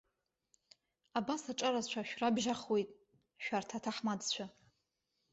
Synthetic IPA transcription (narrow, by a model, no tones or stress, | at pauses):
abasaʈ͡ʂʼaɾazt͡ʃʷʰaʃᶣrabʒaχwe̞jtʼ | ʃᶣartʰatʰaħmad͡zt͡ɕʷʰa